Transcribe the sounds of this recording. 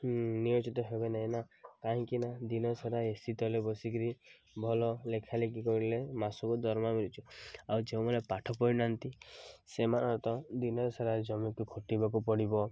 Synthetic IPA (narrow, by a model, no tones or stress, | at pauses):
niot͡ʃit̪ɔɦebenaɦĩnakaɦĩkinad̪inɔɾsaɾaesit̪ɔlebɔsikɾi | bʱɔlɔlekʰalekikɔɾilemasɔkud̪ɔɾmamiɾit͡ʃʰuawd͡ʒeũmɔnepaʈʰɔpɔɾinant̪isemanɔɾt̪ɔd̪inɔɾsaɾad͡ʒɔmikukʰoʈibakupɔɽibɔ